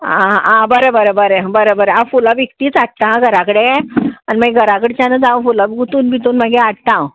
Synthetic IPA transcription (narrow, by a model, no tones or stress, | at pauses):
aãbəɾəbəɾəbəɾəbəɾəbəɾəãfulaʋikt̪iːt͡saʈ̚ʈãɡʱəɾakəɽeaniməɡɡʱəɾakəɽet͡ɕanəd͡zãʋfulabɡut̪uːnbʱit̪uːnməɡeaʈʈãw